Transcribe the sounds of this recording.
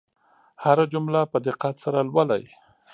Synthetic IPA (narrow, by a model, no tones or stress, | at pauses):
haɾad͡ʒʊmlapəd̪ɪqːat̪saɾalwala̰j